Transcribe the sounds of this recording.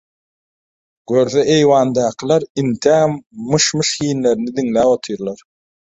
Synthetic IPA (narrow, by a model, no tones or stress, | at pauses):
ɡ̥øɾθeʔejwɑːnd̪ɑːqʰɯlˠɑɾint̪ʰæmmɯʃmɯʃhiːnle̞ɾinid̪iŋlæːwot̪ʰɯjɾlˠɑɾ